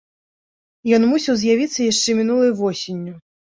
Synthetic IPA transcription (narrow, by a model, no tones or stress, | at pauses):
jɔnmusʲɐwzʲjavʲit̪sːɐjaʂt͡ʂɛmʲinulˠɐjvɔsʲinʲːu